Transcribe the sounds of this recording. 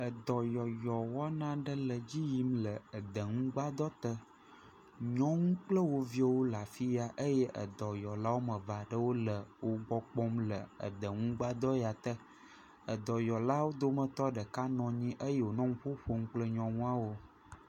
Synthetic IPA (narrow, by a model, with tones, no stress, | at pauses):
ə˨d̪ɔ˨jɔ˨jɔ˨wɔ˦nã˦ɖə˦lə˨d͡ʑi˦ji˦mlə˨ə˨d̪ə˨ŋũ˦ɡ͡ba˦d̪ɔ˦t̪ə˦ | ɲɔ̃˦ŋũ˦k͡plə˦wo˨vi˦ɔ˦wo˦la˨fi˦ja˨ʔə˦jɛ˦ʔə̰˨d̪ɔ˨jɔ˨la˦wo˦mə̃˨va˨ɖə˦wo˦lə˨wo˦ɡ͡bɔ˦k͡pɔ˦mlə˨ə̰˨d̪ə˨ŋũ˦ɡ͡ba˦d̪ɔ˦ja˨t̪ə˦ | ə˨d̪ɔ˨jɔ˨la˦wo˦d̪o˦mə˨t̪ɔ˦ɖə˨ka˦nɔ̃˨ɲĩ˦ʔə˦je˦˨wo˨nɔ̃˦ŋũ˦ɸo˦ɸo˦ŋ̩˦k͡plə˦ɲɔ̃˨ŋũ˦a˦wo˦